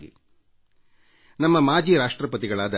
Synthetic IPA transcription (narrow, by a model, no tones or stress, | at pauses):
ɡḭ | nɐmːɐmaːd͡ʒiːɾaːʂʈɾɐpɐt̪̬iɡɐɭaːd̪ɐ